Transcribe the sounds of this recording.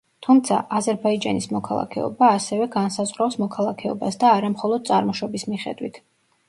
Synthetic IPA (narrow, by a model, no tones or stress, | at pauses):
t̪ʰumt̪sʰa̰ʔazɛɾbaid͡ʒanismɔkʰalˠa̰kʰɛɔ̰baːsɛvɛɡansazʁɾawsmɔkʰalˠakʰɛɔ̰basd̪aːɾamχɔlˠɔd̪̥̚sʼaɾmɔʃɔbismiχɛ̰d̪wḭt̪ʰ